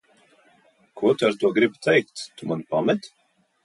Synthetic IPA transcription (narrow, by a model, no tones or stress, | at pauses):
kʰuɔt̪aɾt̪uɔɡɾibt̪ʰɛjk̚t̪t̪umanpamɛt̪